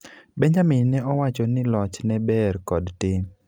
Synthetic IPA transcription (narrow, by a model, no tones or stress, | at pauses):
bɛɲd͡ʒamɪnnɛɔwat͡ʃɔnɪlɔt͡ʃnɛbɛrkɔdtɪ